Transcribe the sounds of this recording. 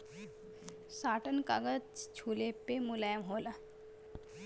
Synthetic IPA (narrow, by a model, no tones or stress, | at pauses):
saːʈənka̰ɡətt͡ʃt͡ʃʰuːlepemulaːjmɦoːla